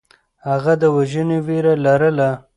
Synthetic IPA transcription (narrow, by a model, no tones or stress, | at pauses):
haɣad̪əwaʒəneweɾalaɾəla